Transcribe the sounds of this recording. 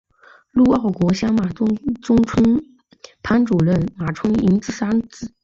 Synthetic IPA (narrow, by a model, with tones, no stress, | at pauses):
lu˥˧ɑ˥˩ʊkwɔ˧˥ɕjɑ˥ŋma˨˩˥ʈ͡ʂʊ˥ŋt͡sʰə˥n | pʰa˥nʈ͡ʂu˨˩ɻə˥˩nma˨˩ʈ͡ʂʰʊ˥ŋi˧˥ŋt͡sɹ̩˥˩sa˥nt͡sɹ̩˥˩˦